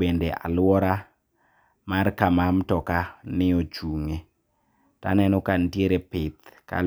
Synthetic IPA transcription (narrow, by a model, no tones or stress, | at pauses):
endeʔa̰lwɔɾa | markamamtɔkanɪot͡ʃuŋe | ta̰nɛnɔkantieɾepɪt̪ka̰l